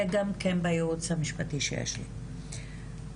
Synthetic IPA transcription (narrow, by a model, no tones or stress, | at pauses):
eɡamkenbajeut͡shamiʃpatiʃḛjḛʃlḭ